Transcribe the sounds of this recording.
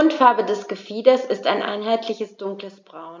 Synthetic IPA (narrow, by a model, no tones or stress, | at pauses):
ʊntfaɐbədɛsɡ̥əfiːdɐsɪstaɪnʔa̰ɪnɦaɪtlɪçəsd̥ʊŋkləsb̥ʁaʊn